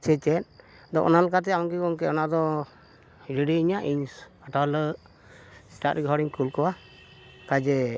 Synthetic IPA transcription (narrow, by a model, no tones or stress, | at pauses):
t͡ʃɛt͡ʃɛt̪̚ | d̪ɔʔɔ̰nalɔkat̪̬ɛaɔŋkɛkɔŋkɛɔnaʔd̪ɔ | ɾiɖiiɲaʔiɲs | aʈalə | sʈat̪ɾɛɡɦɔɾiŋkulkɔwa | kad͡ʒɛ